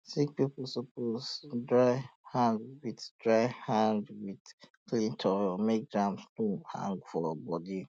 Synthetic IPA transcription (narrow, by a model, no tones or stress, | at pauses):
sik̚pipl̩soposdɹaɪhãndwiddɹaɪhãndwidklĩntʰɔmek̚dɹãmstũhã̰ŋɡfɔbɔdi